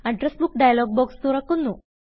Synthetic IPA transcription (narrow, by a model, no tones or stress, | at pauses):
aɳʈɾəsbukɖajlɔɡ̚bɔkst̪oɾakunːu